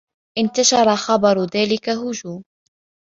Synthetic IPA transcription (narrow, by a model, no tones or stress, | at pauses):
ʔɪnt̪aʃɑɾˤɑxɑbɑɾˤðaːlɪkaɦʊd͡ʒuːm